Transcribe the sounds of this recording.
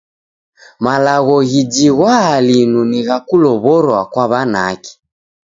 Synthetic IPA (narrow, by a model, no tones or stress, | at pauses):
malaɣɔɣid͡ʒiɣwaːlinuniɣakulɔβɔɾwakwaβana̰ki̥